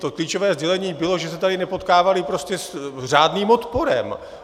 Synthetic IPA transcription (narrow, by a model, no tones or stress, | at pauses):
t̪okliːt͡ʃovɛːzɟɛlɛɲiːbɪlo̞ʒɛsɛt̪adɪnɛpo̞t̪kaːvalɪpɾo̞scɛsr̝aːdniːmot̪po̞ɾɛ̰m